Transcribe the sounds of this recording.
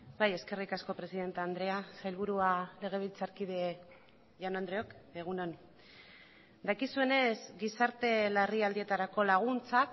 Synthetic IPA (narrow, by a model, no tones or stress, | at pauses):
baje̞ske̞rikasko̞pɾe̞siðe̞nt̪eand̪ɾe̞asajlβ̞uɾuale̞ɣ̞e̞β̞ilt͡saɾkið̞e̞ | janoand̪ɾeokeɣ̞unon | d̪akisue̞ne̞zɡisaɾt̪e̞lariald̪ie̞t̪aɾako̞laɣ̞unt͡sak